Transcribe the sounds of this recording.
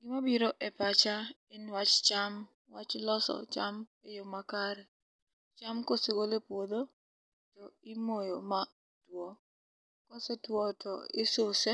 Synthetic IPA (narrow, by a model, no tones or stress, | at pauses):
ɡimabiɾoʔɛpat͡ʃa | enwat͡ʃt͡ʃam | wat͡ʃlɔsɔ̰t͡ʃamejomakaɾɛ | t͡ʃamkoseɡolepwod̪o | tɔɪmojoma | twɔ | kɔsetwɔtʰɔɪsose